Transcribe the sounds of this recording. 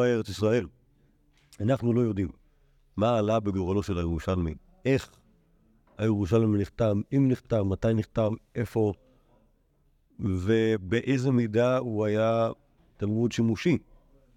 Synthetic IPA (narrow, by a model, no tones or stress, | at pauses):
aeʁet͡sisʁae̞l | anaχnulo̞jo̞dimː | aːlabeɡoʁalo̞ʃe̞lajeʁuʃalmi | e̞χ | ajeʁuʃalmniχt̪amimniχtavmatajniχtavʔe̞fo̞ | ve̞beʔejzemidauaja | talmudʃimuʃi